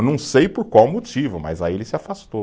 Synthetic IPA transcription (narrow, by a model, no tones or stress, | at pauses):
nɐ̃w̃sejpoɾkwawmot͡ʃivʊmɐ̰jza̰ielɪsɪafast̪o